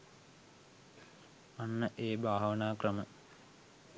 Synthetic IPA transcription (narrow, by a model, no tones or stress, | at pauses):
anːəʔeːbʱaːɦʋənaːkrəmə